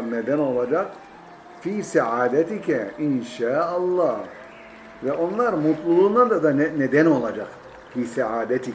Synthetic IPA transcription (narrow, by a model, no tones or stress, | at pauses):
ɾned̪æno̞lˠad͡ʒaq | fiːsaʕaːd̪ɛt̪ikʰɛinʃaːʔɑlˠːɑː | vɛʔo̞nlˠaɾmut̪lˠulˠund̪and̪ad̪anned̪æno̞lˠad͡ʒaq | fiːsaʕaːd̪ɛt̪ʰi